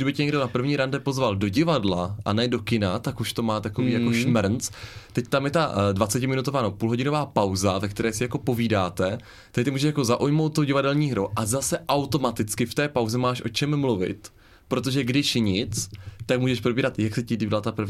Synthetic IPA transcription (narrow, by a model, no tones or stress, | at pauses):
dɪbɪcɪɲɛɡdo̞napr̩vɲiːɾandɛpo̞zvaldo̞ɟɪvadlaʔa̰nɛdo̞kɪnat̪akuʃt̪o̞maːt̪akoviːjakoʃmɾnt͡st̪ɛct̪amjɛt̪advat͡sɛcɪmɪnut̪ovaːnopuːlɦo̞ɟɪno̞vaːpawzavɛk̚t̪ɛɾɛːsɪjako̞po̞viːdaːt̪ɛ | t̪akt̪ɪmuːʒɛʃjakozaʔujmowt̪̚t̪ːoɟɪvadɛlɲiːɦɾoʔazasɛʔawt̪o̞mat̪ɪt͡skɪft̪ɛːpawzɛmaːʃʔo̞t͡ʃɛmːluvɪ̰t̪ | pɾo̞t̪o̞ʒɛɡdɪʃɲɪt͡st̪ak̚muːʒɛʃpɾobiːɾat̪jaksɛcɪdɪblat̪apr̩vɲ